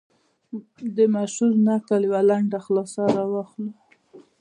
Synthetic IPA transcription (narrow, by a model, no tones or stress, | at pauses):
d̪əmaʃuɾnakaljwalaɳɖaxlɑsaɾɑwaxlu